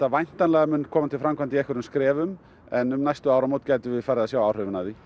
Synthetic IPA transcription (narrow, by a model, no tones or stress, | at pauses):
avajn̥t̪anlɛɣamʏnkʰɔːmant̪ʰɪlfɾamkʰvant̪iɛhkvʏɾʏmskɾɛːvʏm | ɛnːʏmnajst̪ʏawɾamowt̪caːjt̪ʏvɪðfajɾɪðasjaːwawr̥œvɪnaði